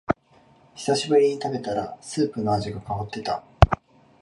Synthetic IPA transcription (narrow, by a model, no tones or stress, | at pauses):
çi̥saɕibɯ̟ɾʲiɲ̟it̪abe̞t̪aɾasɨːpɯ̟no̞aʑiɡakaot̪ːe̞t̪a